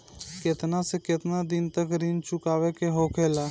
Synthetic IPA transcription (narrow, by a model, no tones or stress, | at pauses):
kɪt̪nasekɪt̪nad̪ɪnt̪əkɾint͡ʃʰʊkaːʋekeɦoːkʰeːlaː